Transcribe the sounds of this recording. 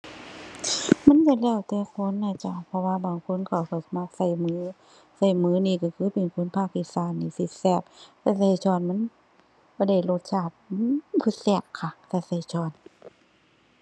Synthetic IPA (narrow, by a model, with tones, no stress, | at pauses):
ma˧˥˨nt͡ɕa˧lɛː˧˩˨wt̪ɛː˧kʰo˧˥˨nːaː˧˩t͡ɕa˧˩pʰɔ˧waː˧baː˨˩ŋkʰo˧˥˨nkʰɔ˧˩wkɔ˧˩sa˧ma˧˩k̚sa˧˩jmɯː˨˦ | sa˧˩jmɯː˨˦niː˧˩˨kɔ˧˩kʰɯː˧˥˨pe˨nkʰo˧˥˨npʰaː˧˩k̚ːi˧˩saː˧˩˨nːi˧˩si˧t̪̚sɛː˧˩p̚ta˧˩sa˧˩jt͡ɕɔː˧˩nma˧˥˨n | kɔː˧˩˦da˧˩jlo˧˩t̪̚sʰaː˧˩p̚ːpʰɯ˧˩t̪̚sɛː˧˩kkʰːa˧˩sa˧˩sa˧˩jt͡ɕʰɔː˧˩n